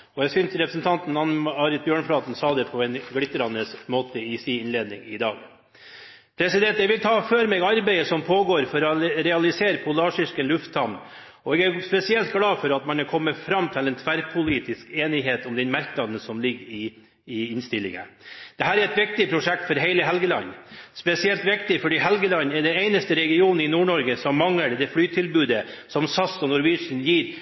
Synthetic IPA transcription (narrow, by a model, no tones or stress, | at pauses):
ɔjæɡsʏnt̪ɾɛpɾəsn̩t̪ʰɑnt̪n̩ɑnɑːɾɪt̪̚bjøːɳfɽɑːt̪ən̩sɑːd̪ɛpʰɔɛnɡɽɪt̪ːəɾɑnəsmoːt̪əɪsiːɪnleːd̪nɪŋɪd̪ɑːɡ | pʰɾɛsɪd̪ɛnt̪jæʋɪlt̪ʰɑːføːɾmɛɡɑɾbɛɪəsɔmpʰoːɡoːɾfɔɾɔɾɛɑlɪseːɾəpʰʊlɑːʂɪʂkənlʉft̪ʰːɑm | ɔɛɡæɾspɛsɪɛlt̪ɡlɑːfɔɾɑt̪mɑnɑɾkʰɔmːəfɾɑmːt̪ʰɪlɛːnt̪ʰʋæɾpʰʊliːt̪ɪskeːnɪɦeːt̪ɔmd̪ɛnmɑɾknɑd̪ən̩sɔmlɪɡːɾɪ | ɪɪnst̪ɪlːɪ̰ŋə̰d̪̥ɛɦæːɾæɾɛt̪ʋɪk̚t̪ɪpʰɾʊʂɛk̚t̪fɔɾɦeɪləɦɛlɡəlɑ̰ɲnːspɛsɪɛlt̪ʋɪkt̪ɪfɔɖiːɦɛlɡəlɑnːɛɖɛneɪnəst̪əɾɛɡɪuːnnɪnuːɳɔɾɡəsɔmːɑŋləɾd̪ɛflyːt̪ʰɪlbʉːd̪əsɔmsɑsɔnɔɾʋɪʂn̩jiːɾ